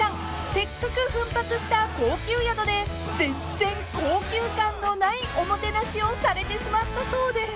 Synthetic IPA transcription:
ãŋ | se̞kːakɯ̟ɸɯ̟̃mpat͡sɨɕi̥t̪ako̞ːkʲɨːjad̪o̞d̪e̞ | d͡zẽ̞n | d͡zẽ̞ŋko̞ːkʲɨːkãnːo̞naiʔo̞mo̞t̪e̞naɕio̞saɾe̞t̪e̞ɕimat̪ːaso̞ːd̪e̞

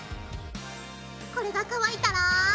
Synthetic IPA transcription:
ko̞ɾe̞ɡakaβait̪aɾa

